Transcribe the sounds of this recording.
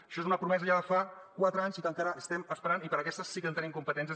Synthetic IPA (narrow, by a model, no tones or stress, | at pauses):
əʃɔezunəpɾumɛzəʎaðəfakwat̪ɾəaɲzikəŋkaɾəʔəst̪ɛməspəɾanipəɾəkɛst̪əsːikənt̪ənimkumpət̪ɛns̬ə